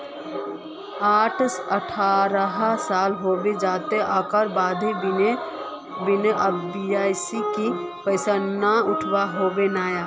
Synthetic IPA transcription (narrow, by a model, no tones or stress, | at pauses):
aːʈʰsəʈʰaːɾəɦasaːlɦoːbed͡ʒaːt̪eʔaːkəɾbaːd̪ʱe | bɪnəbiaːsiki | pəɪsanaʊʈʰwaɦoːbenaːjaː